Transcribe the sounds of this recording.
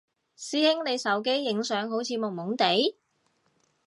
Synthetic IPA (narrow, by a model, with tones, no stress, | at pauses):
siː˨˥hɪ˥ŋle˨˧jsɐ˨˥wke˥jːɪ˨˥ŋsœː˨˧˥ŋɦo˨˥wt͡sʰiː˨˧mʊ˨˩mʊ˨˥ŋt̪e˨˥j